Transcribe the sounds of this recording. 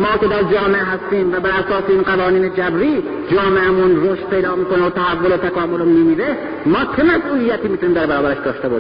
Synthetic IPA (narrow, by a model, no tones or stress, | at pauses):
mɒːkʲe̞d̪æɾd͡ʒɒːmeʔeɦæst̪iːmvæbæɾæsɒːseinɢævɒːniːned͡ʒæbɾiː | d͡ʒɒːmeʔæmunroʃt̪̚pʰe̞jd̪ɒːmiːkoneot̪ʰæhævːolot̪ʰækɒːmolomiːmiːɾe | mɒːt͡ʃʰemæsʔuːlijæt̪iːmit̪uniːmd̪æɾbæɾɒːbæɾeʃd̪ɒːʃt̪ebɒːʃii